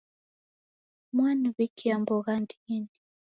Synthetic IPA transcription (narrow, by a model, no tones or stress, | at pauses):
mwanuβikiambɔɣandiini